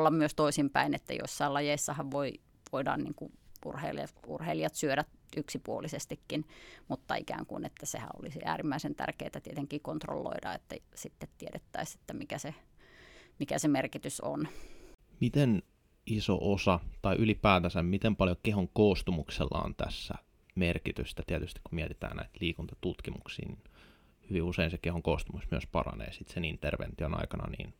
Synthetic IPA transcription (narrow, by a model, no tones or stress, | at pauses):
lːɑmmyøst̪oisimpæinet̪ːæ̰jo̰isːɑilɑjeisːɑhɑʋʋoi | ʋoidɑ̰ːnnḭːŋkuʔṵrhḛilɑt̪ṵrheilijɑt̪syøɾæt̪ʔyksipuolisest̪ikːinmut̪ːɑikæ̰ːŋkṵinet̪ːæsḛhæ̰ʔo̰lisiʔæ̰ːrimːæisent̪æ̰rkeːt̪æt̪iet̪eŋkiːkont̪ro̰lːo̰idɑ̰ḛt̪ːæ̰sit̪ːet̪tieɾet̪ːæise̥t̪ːæmikæse | mikæsemerkit̪yso̰n | mit̪en | iso̰ʔosɑt̪ɑiʔylipæːt̪æsæmmit̪empɑljokehoŋkoːst̪umukselːɑ̰o̰nt̪æ̰sːæ | merkit̪yst̪æt̪iæt̪yst̪i̥kumiɛt̪i̥t̪æ̰ːnnæ̰it̪liːkunt̪ɑt̪ut̪kimuksḭːnin | hyʋiuseinsekehoŋkoːst̪umusmyəspɑrɑ̰nḛːsit̪senint̪erʋḛnt̪ionɑ̰ikɑnɑ̰nḭːn